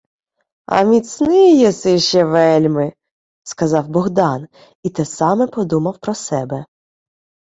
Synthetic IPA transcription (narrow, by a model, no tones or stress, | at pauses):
ɐ̰mʲisʲnɪjɛsɪʃɛʋɛlʲmɪ | skɐzɑwbɔɣd̪ɑn | it̪ɛsɑmɛpɔd̪umɐwpɾɔsɛbɛ